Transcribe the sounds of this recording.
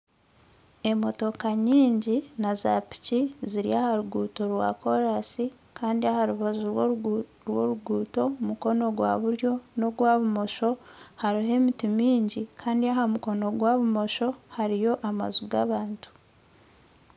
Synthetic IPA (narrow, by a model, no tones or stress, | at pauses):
e̞mo̞to̞kaɲiːɲɟinaza̰pi̥ciziɾiahaɾuɡuːto̞ɾwa̰ko̞ɾasi | kʰaːndiahaɾuβazu | ɾwo̰ɾuɡuːto̞muko̞no̞ɡwa̰βuɾjo̞no̞ɡwaːβumo̞ʃo̞haɾiɦe̞mitimiːɲɟikʰaːndiahamuko̞no̞ɡwaβumo̞ʃo̞haɾijo̞ʔama̰zuɡa̰βaːntu̥